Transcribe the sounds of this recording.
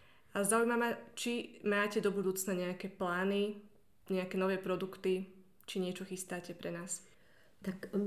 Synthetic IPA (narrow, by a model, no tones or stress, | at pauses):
azaujmamat͡ʃimaːcɛd̪ɔbud̪uːt͡snaɲɛakɛplaːni | ɲɛakɛnɔʋɛːpɾɔd̪ukt̪i | t͡ʃiɲɪɛt͡ʃɔxist̪aːcɛpɾɛnaːs | t̪ak